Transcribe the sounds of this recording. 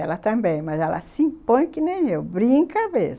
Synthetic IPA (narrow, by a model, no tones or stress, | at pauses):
ɛlɐt̪ɐ̃mbẽj̃mɐzɛlɐ̰sĩpõj̃kɪnẽj̃ewbɾĩŋkɐmez